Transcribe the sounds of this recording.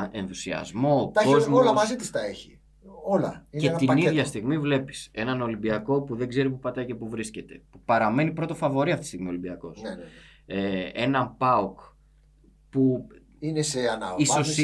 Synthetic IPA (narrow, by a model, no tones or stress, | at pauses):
e̞nθusiɐ̰zmo̞t̪ɐkozmolɐmɐzit̪ist̪ɐeçi | olɐ̰icet̪iniðʝɐst̪iɣmivle̞pi̥se̞nɐno̞limbiɐko̞puðe̞ɡze̞ɾipupɐt̪ɐjce̞puvɾisce̞t̪e̞̰pupɐɾɐme̞nipɾo̞t̪o̞fɐvo̞ɾiɐft̪istiɣmio̞limbiɐko̞s | ee̞nɐmpɐok | pu | ineseɐnɐisos